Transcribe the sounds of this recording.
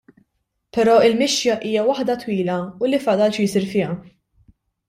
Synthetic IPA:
pɛɾɔːɪlmɪʃjɐʔiːjɐwɐħd̪ɐt̪wiːlɐulifɐd̪ɐlt͡ʃjɪsiɾfɪːɐ

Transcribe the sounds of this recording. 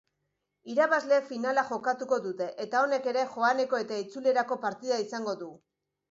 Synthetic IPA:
iɾaβazle̞finalaʝo̞kat̪uko̞ðut̪e̞ʔet̪ao̞ne̞ke̞ɾe̞xo̞ane̞ko̞e̞t̪ait͡sule̞ɾako̞paɾt̪iðaisaŋɡo̞ðu

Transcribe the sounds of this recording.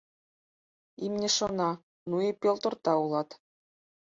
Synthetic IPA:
imnʲɘ̆ʂɤ̆nɑ | nuepʲolˠt̪ɤ̆rt̪ɑulˠɑt̪

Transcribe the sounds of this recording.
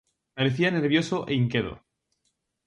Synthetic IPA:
paɾe̞θiane̞ɾβjo̞so̞ʔeiŋkeðo̰

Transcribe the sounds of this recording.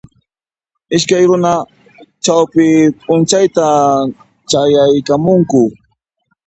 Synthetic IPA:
ɪʃkajɾʊna | t͡ʃawpɪpʼʊnt͡ʃajt̪a | t͡ʃajajkamʊŋkʊ

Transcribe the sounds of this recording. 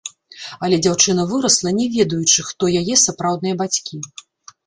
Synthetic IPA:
ɐlʲɛd͡zʲawt͡ʂɨn̪ɐvɨɾɐslˠɐnʲɛvʲɛd̪ujut͡ʂɨxt̪ɔjajɛsapɾawd̪nɨjɐbat͡sʲkʲi

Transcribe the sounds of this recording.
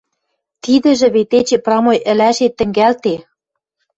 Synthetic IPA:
t̪id̪ɘ̆ʒɘ̆βet̪et͡ɕĕprɑmojʔɘ̆læʃet̪ːɘ̆ŋɡælt̪e

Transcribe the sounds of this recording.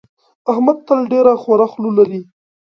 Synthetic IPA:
ahmad̪̚t̪alɖeɾaxwaɾaxlulaɾi

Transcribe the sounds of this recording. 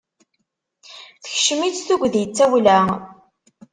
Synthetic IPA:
θə̥çʃəmit͡sθuɡʷðjət͡sːæwlæ

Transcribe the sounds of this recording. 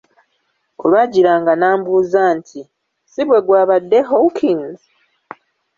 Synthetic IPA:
olwaɟiɾaːŋɡanaːmbuːzaːntʰi | siβwe̞ɡwaːβadːeɦowkʰinz

